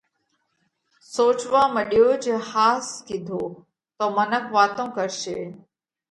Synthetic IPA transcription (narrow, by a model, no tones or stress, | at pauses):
soːt͡ʃʋaːməɗijoːd͡ʒeːhaːskɪd̪ʱoː | t̪omənəkʰʋaːt̪õːkəɾʃeː